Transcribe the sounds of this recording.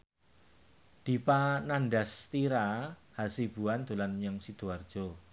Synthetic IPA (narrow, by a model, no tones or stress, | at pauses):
d̪̥i̤pananɖast̪iɾahasib̥ṳand̪ulanjaŋsid̪̥uard̥ʒ̥ɔ̤